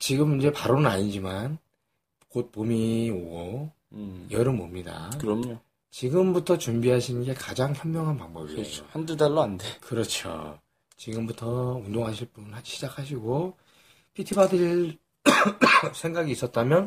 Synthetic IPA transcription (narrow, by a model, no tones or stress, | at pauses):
t͡ɕiɡɯmind͡ʑe̞paɾonɯna̰ɲid͡ʑiman | kot̚pomioɡo | jʌɾɯmo̰mɲida̰kɯɾʌmɲo | t͡ɕiɡɯmbutʰʌt͡ɕumbiɦaɕʰinɯnɡe̞kad͡ʑaŋçjʌnmjʌŋɦanpaŋbʌbiḛjo̰handudaɭːoandekɯɾʌt͡ɕʰo̰ | t͡ɕiɡɯmbutʰʌundoŋɦaɕʰiɭp͈unhad͡ʑiɕʰid͡ʑakʰaɕ̬ʰiɡo | pʰitʰibadɯɾ | sʰe̞ŋɡaɡiːs͈ʌt̚t͈amjʌn